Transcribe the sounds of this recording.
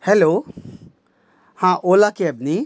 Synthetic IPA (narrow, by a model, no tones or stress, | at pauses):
hɛloː | hãʔoːlakeɐbni